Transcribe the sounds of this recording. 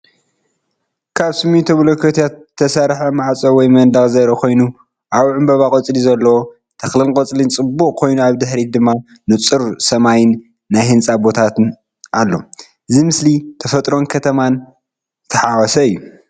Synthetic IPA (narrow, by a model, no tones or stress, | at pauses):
kʰaβsɨmːit̪ʰoβlokʰot̪ʰijat̪ʰːɐsaɾħɐmaʕt͡sʼowɔjmɐnd̪ɐxʼzɐɾɐkʰo̞jnu | ʔaβʕɨmbɐβakʼɐt͡sʼlizɐlːɐwo | t̪ʰɐxlɨlkʼɐt͡sʼlint͡sʼɨbːukʼkʰo̞jnuaβd̪ɨħɾid̪ɨmːa | nɨt͡sʼɨɾsɐmajɪnː | ajhɨnt͡sʼabo̞t̪ʰat̪ʰɨn | ʔalːo̞̰ | ɨzimɨslit̪ʰɐfɐt̪ʼɾo̞nkʰɐt̪ʰɐman | ɨt̪ʰɐħawɔsɐɨjːu